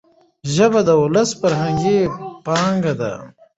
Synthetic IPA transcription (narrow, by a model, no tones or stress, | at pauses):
ʒəbad̪əʊləsfaɾɦaŋɡepɑːŋɡad̪a̰